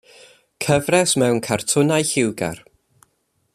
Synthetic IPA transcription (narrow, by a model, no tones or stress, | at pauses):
kʰəvrɛsmɛwnkʰartʰʊnajhɪwɡa̰r